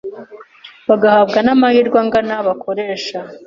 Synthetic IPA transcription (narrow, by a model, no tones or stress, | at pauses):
βaɡahabɡanamahiːɾɡwaŋɡanaβakʰoɾe̞ːʃa